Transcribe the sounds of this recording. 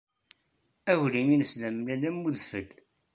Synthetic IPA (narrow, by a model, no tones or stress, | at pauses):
æwliminəslæmlælæmːuðsfəɡ